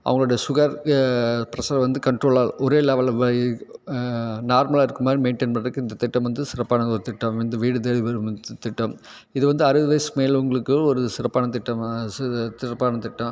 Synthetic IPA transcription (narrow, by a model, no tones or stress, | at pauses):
ʔɐ̰ʋɐŋɡɐɭoːɽɐjɐsʊɣaːɾ | pɪɾɐsaːɾɐʋɐnd̪ɯkɐɳʈɾoːɭaːlɔɾeːlaʋɐlɐʋ | naːɾmɐlaːɪɾɯkːɯmaːd̪ɾimeɪɳʈeːnpɐɳɐɾɯkːɯɪnd̪ɐt̪ɪʈːɐ̃mʋɐnd̪ɯsɪɾɐpːaːnɐɔɾɯt̪ɪʈːɐmɐnd̪ɯʋiːɽɯt̪̬eːɭiʋɐɾɯmt̪ɪʈːɐm | ɪðɯʋɐnd̪ɯɐɾɯʋɯʋɐɪsmeːlʊŋɡɐɭɯkːɯɔɾɯsɪɾɐpːaːnɐt̪ɪʈːɐm | t̪ɪɾɐpːaːnɐt̪ɪʈːɐ̃